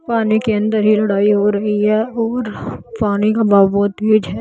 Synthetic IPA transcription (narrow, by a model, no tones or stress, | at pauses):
paːnikeə̃nd̪əɾɦilɐɽaːiɦoɾɐɦiɦɛːɔːɾpaːnikabaːbuːt̪ɦed͡ʒɦɛː